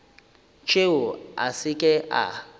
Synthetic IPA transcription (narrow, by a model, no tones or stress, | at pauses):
t͡ʃʼeʊa̰sɪkʼɛʔa̰